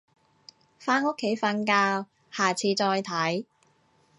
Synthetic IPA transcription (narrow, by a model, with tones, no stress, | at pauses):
faː˥no˥kʰːe˨˥jfɐ˧nkaː˧w | haː˨˩t͡sʰiː˧t͡sɔː˧jt̪ʰɐ˨˥j